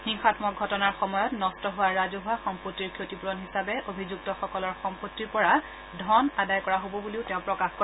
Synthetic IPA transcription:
xiŋxatmɔk̚ɡʱɔtɔnaɹxɔmɔjɔtnɔstɔɦʊwaɹazoɦʊaxɔmpotːiɹkʰotipuɹɔnɦisabɛʔobʱizuk̚tɔxɔkɔlɔɹxɔmpotːiɹpɔɹa | dʱɔnadajkɔɹaɦobɔbuliʊtɛʊ̃pɹɔkaxko

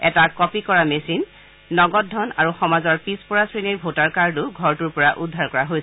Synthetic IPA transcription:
ɛ̰takɔpikɔɹamesinː | ɔɡɔtdʱɔnaɹuxɔmazɔɹpispɔɹasɹiniɹbʱotaɹkaɹdʊɡʱɔɹtuɹpɔɹaʔudʱːaɹkɔɹaɦojsɛ

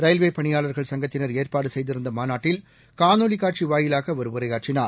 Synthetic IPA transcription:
ɾɐjlʋeːpɐɳɪjaːɭɐɾɣɐɭsɐŋɡɐt̪ːɪnɐɾeːrpaːɽɯsɛjðɪɾɯnd̪ɐmaːnaːʈːɪl | kaːnoːlikːaːʈ̚t͡ʃiʋaːjɪlaːɣɐʋɐɾɯʋɯɾɐjaːʈ̚t͡ʃɪnaːɾ

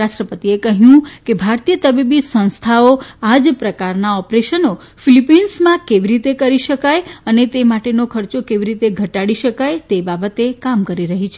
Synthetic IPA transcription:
aʃʈɾəpət̪iekəɦjũkebʱaɾt̪ijət̪əbibisə̃w̃st̪ʰaoad͡ʒpɾəkaɾnaɔpɾeʃəno | filipinsmãkeʋiɾit̪ekəɾiʃəkajənet̪emaʈenokʰəɾt͡ʃokeʋiɾit̪eɡʱəʈaɽiʃəkajt̪ebabət̪ekamkəɾiɾəɦit͡ʃʰe

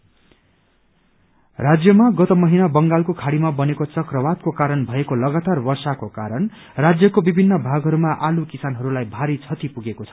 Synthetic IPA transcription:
rad͡zjʌmaɡʌt̪ʌmʌɦinabʌŋɡalkokʰaɽimabʌnekot͡sʌkrʌbad̪̚kokaɾʌnbʱʌekolʌɡat̪arbʌrsakokaɾʌn | rad͡zjʌkobibʱinːʌbʱaɡɦʌɾumaʔalukisanɦʌɾulajbʱaɾit͡sʰʌt̪ipuɡekot͡sʰʌ̥

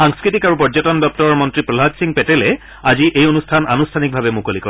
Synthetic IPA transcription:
xaŋskɹitikaɹupɔzɔtɔndɔp̚tɔɹɔɹmɔntɹipɹɔlɦad͡ʒsiŋpɛtɛlɛ | aziʔejonustʰana̰nustʰanik̚bʱabɛmukolikɔ

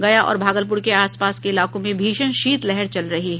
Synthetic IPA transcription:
ɡɐjaʔɔ̰ːɾbʱaːɡəlp̬ʊɾkeaːspaːskeɪlaːkõmẽbʱiːʃənʃiːt̪lɛɦɛɾt͡ʃɐlɾɐɦiɦɛ

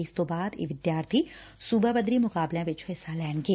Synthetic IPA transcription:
st̪obaːd̪ḭʋɪd̪jaːɾt̪ʰisuːbʱabəd̪ɾimʊkaːblẽʋɪt͡ʃʰoɪsalɛːnɡeː

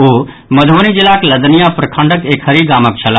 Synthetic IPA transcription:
oː | mɐd̪ʱʋonid͡ʒɪlaːklɐd̪nijapɾɐkʰə̃ɳɖəkeːkɦɐɾiɡaːmək̚t͡ʃʰɐla

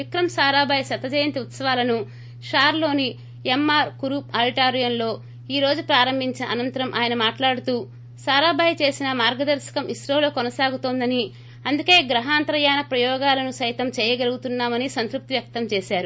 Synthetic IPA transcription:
ʋikɾɐmsaːɾaːbʱaːjsɐt̪ːɐd͡ʒɐjɐnt̪iut̪sɐʋaːlɐnu | ʂaːɾlo̞ːni | emːaːɾkuɾuːpaːliʈaːɾijɐnlo̞ː | iːɾo̞ːd͡ʒupɾaːɾɐmbʱiɲt͡ʃinɐʔɐnɐnt̪ɐɾɐmʔaːjɐnɐmaːʈlaːɽut̪uː | saːɾaːbʱaːjt͡ʃe̞ːsinɐmaːɾɡɐd̪ɐɾʃɐ̥kɐmiʃɾoːlokɔnɐsaːɡut̪oːnd̪ɐni | ɐnd̪uke̞ːɡɾɐɦaːnt̪ɾɐjaːnɐpɾɐjɔːɡaːlɐnusɐjt̪ɐmt͡ʃɛːjɐɡɐluɡut̪unːaːmɐnisɐnt̪ɾup̚t̪iʋjɐk̚t̪ɐmt͡ʃeːʃaːɾu

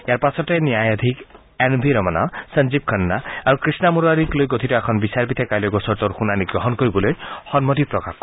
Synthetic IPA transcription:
jaɾpasɔteniajad̪ʱik | enbʱiɾɔmanasənd͡ʒib̚kʰənːaaɾukɾisnamuɾaɾiklojɡot̪ʰitɔɛkʰɔnbisaɾpit̪ʰakajlɔɡɔsɔɾt̪ɔɾxunaniɡɾɔɦɔnkɔɾibɔlojxɔnmɔt̪ipɾɔkak

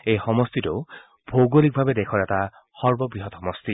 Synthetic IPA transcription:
ejxɔmɔstitʊ | b̥ʱowɡolik̚bʱabɛdɛkʰɔɹɛta | xɔɹbɔbɹiɦɔtxɔmɔst̪i

